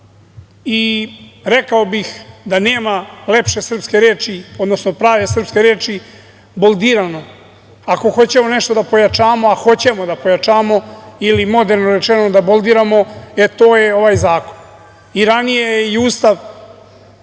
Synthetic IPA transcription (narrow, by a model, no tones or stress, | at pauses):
iɾekao̞bixd̪ane̞ːmalepʃe̞sr̩pske̞ɾeːt͡ʃiod̪no̞sno̞pɾaːʋe̞sr̩pske̞ɾeːt͡ʃi | bolˠd̪iːɾano̞ | ako̞xo̞t͡ɕe̞mo̞neʃt̪o̞d̪apo̞jat͡ʃaːmo̞axo̞t͡ɕemod̪apo̞jat͡ʃaːmo̞ilimo̞d̪eɾnoɾet͡ʃenod̪abo̞ld̪iɾamo̞et̪o̞ːjeo̞ʋaːjzaːko̞n | iɾanijejeiuːst̪aʋ